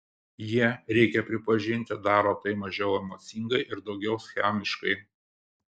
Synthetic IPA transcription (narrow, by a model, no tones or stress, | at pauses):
jiɛɾʲɛɪkʲɛpʲɾʲɪpɐʒʲɪnʲt̪ʲɪd̪ɑːɾoːt̪ɐɪmɐʒʲɛʊɛmoːt̪sʲiŋɡɐɪʔɪɾd̪ɒʊɡʲɛʊsʲxʲæmʲɪʃkɐɪ